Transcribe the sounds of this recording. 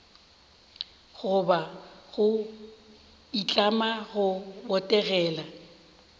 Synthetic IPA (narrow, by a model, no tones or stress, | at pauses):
ɣʊbaɣʊ | it͡ɬʼamaɣʊbɔtʼɛɣɛːla